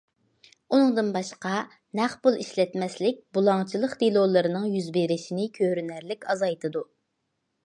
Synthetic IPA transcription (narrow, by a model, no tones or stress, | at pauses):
unɨŋd̪ɨnbɑʃqɑ | næχbulˠiʃlɛt̪mɛslɪk̚ʲbulˠɑŋt͡ʃʰilˠəqd̪ilˠolˠɨɾɨnɨŋjyzbeɾɪʃinɪkʲʰøɾynæɾlɪkʲɑzɑjt̪ʰɨd̪u